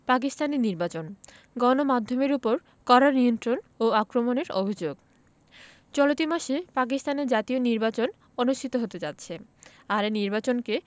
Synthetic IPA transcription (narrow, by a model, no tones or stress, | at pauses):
pak̬ist̪aniniɾbat͡ɕon | ɡɔnomad̪ʱːomeɾupoɾ | kɔɾaɾniont̪ɾonoakɾomoneɾobʱid͡ʑoɡ | t͡ɕɔlot̪imaʃepak̬ist̪aneɾd͡ʑat̪ioniɾbat͡ɕon | onuʃʈʰit̪oɦot̪ed͡ʑat̪ːɕʰe | aɾeniɾbat͡ɕonke